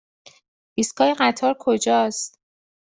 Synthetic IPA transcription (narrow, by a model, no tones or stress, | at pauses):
iːskʰɒːjeɢæt̪ʰɒːɾkʰod͡ʒɒːst̪